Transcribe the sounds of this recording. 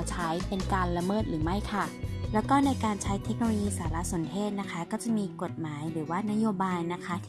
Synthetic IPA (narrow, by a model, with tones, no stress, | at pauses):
t͡ɕʰa˦˥jpe˧nkaː˧nla˧mɤː˥˩t̪̚ɾɯː˩˦ma˥˩jkʰa˥˩lɛ˦˥wkɔː˥˩na˧jkaː˧nt͡ɕʰa˦˥jt̪ʰe˦˥k̚no˧oː˧jiː˧saː˩˦la˦˥so˩˦npʰeː˥˩t̪̚na˦˥kʰa˦˥kɔː˥˩t͡ɕa˨˩ʔmiː˧ko˨˩t̪̚maː˩˦jbɯː˨˩˦waː˥˩na˦˥joː˧baː˧jna˦˥kʰa˦˥t̪ʰː